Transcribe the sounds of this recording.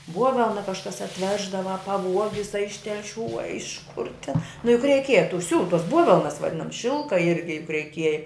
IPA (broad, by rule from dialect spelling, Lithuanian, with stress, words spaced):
ˈbuɔʋʲɛlˠnɐ kɐʃˈkɐs ɐtʲˈʋʲæːʒdɐʋɐ ɐ pɐˈʋuɔɡʲɪs ɐ ɪʃ tʲɛlʲˈʃʲuː ɐ ɪʃ kʊr tʲɪn nʊ jʊk rʲɛɪˈkʲiɛjɛ tʊ ˈsʲuːlˠʊ tuɔs ˈbuɔʋʲɛlˠnɐs ʋɐˈdʲɪnɐms ˈʃʲɪlˠkɐ ˈɪrʲɡʲɪ jʊk rʲɛɪˈkʲiɛjɛ